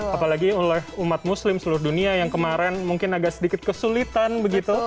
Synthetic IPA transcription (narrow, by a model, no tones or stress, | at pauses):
apalaɡiulɛhumat̪̚muslɪmsəlurduniajaŋkəmaɾɛnmuŋkɪnaɡaʔsədikɪt̪̚kəsulit̪anbəɡit̪u